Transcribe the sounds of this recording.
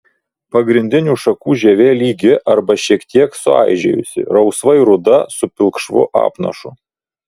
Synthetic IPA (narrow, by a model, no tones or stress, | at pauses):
pɐɡɾʲɪnʲd̪ʲɪnʲuːʃɐkuːʒʲɛʋʲeːlʲiːɡʲɪʔɐɾbɐʃʲiɛkt̪ʲiɛksʊɑ̰ˑɪʒʲɛjʊsʲɪ̰ɾɒʊsʋɐɪɾʊd̪ɐsʊpʲɪlˠkʃʋʊ̰ʔɑ̰ːpnɐ̰ʃʊ̰